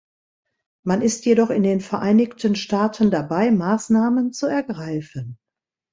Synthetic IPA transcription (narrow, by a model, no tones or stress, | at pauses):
manɪstjedɔχɪndeːnfɛɐʔaɪnɪçtʰənʃtaːtʰəndabaɪmaːsnaːmənt͡suɛɐɡʁaɪfən